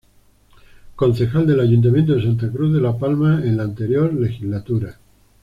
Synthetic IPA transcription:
ko̞nθe̞xald̪e̞laʝunt̪̬amjent̪oðes̬ant̪akɾuððe̞lapalmaenlaːnt̪e̞ɾjo̞ɾle̞xizlat̪uɾa

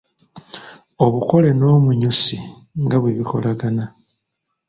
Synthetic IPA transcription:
o̞βuko̞le̞no̞ːmuɲusi | ŋɡaβweβiko̞̰laɡana

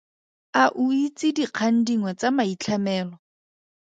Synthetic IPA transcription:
aʔʊit͡sɪdiq͡χʰan̩diŋwat͡samait͡ɬʰamɛːlɔ

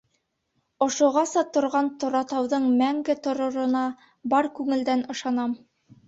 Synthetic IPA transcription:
ŏʃŏʁɑsɑt̪ŏɾʁɑnt̪ŏɾɑt̪ɑwðɤɴmæŋɡɘt̪ŏɾŏɾŏnɑ | bɑɾkʉŋɘ̆ld̪ænɤ̆ʃɑnɑm

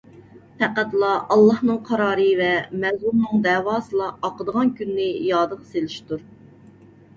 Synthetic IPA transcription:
pæqæt̪lˠɑʔɑlˠːɑhnɨŋqʰɑɾɑːɾɨvɛmɛzuɾnɨŋd̪ɛːwɑːsɨlˠɑɑqəd̪əʁɑnkʲynːɪjɑːd̪əʁselɪʃt̪uɾ

